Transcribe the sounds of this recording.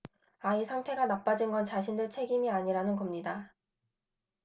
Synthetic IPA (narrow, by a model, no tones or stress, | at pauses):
aisʰaŋtʰe̞ɡanap͈ad͡ʑinɡʌnt͡ɕaɕʰindɯɭt͡ɕʰe̞ɡimiaɲiɾanɯnɡʌmɲida